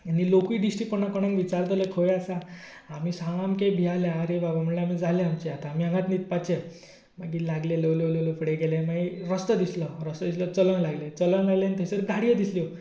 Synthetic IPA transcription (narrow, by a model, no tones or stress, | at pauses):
anilokiːɖisʈipənakɔɽ̃ãŋɡʋit͡ɕaɾt̪əlekʰojasaː | miːsãŋamkebʱialeːɾebabam̤əɽleamiːd͡zʱalẽamt͡ɕiat̪aːmiãŋɡat̪nit̪̚pat͡ɕe | maɡiːlaɡlelewlewlelofʰəɽeɡɛlẽmaiɾəst̪əd̪isləɾəst̪əd̪islət͡sələnlaɡlet͡sələnlaɡleanit̪ʰesəɾɡʱaɽijəd̪islio